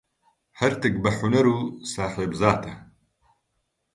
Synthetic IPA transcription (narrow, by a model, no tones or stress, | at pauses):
hɐɾt̪ɨk̚bɐħunɐɾuːsaːħeːbzaːt̪ɐ